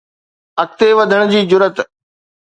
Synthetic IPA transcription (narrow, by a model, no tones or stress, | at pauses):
ɐk̚t̪eʋɐd̪ʱəɽ̃d͡ʑiːd͡ʑʊɾət̪